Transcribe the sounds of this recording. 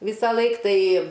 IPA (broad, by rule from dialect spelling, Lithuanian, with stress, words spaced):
ˈʋʲiːsɐˌlˠɐɪk ˈtɐɪ